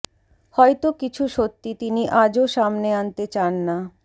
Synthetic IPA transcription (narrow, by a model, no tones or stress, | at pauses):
hɔjt̪okit͡ɕʰuʃot̪ːit̪iniʔad͡ʑoʃamneant̪et͡ɕanːa